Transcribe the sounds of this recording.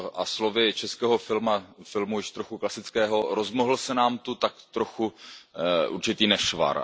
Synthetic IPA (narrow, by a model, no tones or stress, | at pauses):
ʔa̰slovɪt͡ʃɛskɛːɦo̞fɪlmafɪlmujɪʃt̪ɾoxuklasɪt͡skɛːɦoɾozmoɦl̩sɛnaːmt̪ut̪akt̪ɾoxu | ʔṵɾt͡ʃɪt̪iːnɛʃva̰ɾ